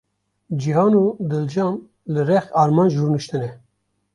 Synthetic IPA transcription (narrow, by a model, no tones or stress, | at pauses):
d͡ʒiɦɑːnuːd̪ɨld͡ʒɑːn | lɨrɛxɑːɾmɑːnʒuːɾnɨʃt̪ɨnɛ